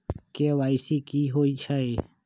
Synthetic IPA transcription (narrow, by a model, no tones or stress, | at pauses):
keːʋaːɪsiːkiːɦoːit͡ʃʰae